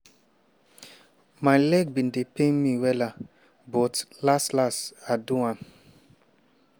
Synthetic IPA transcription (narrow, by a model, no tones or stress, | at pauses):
majlɛɡ̚bĩn̩depenmiwɛla | bɔtlastlastaduãm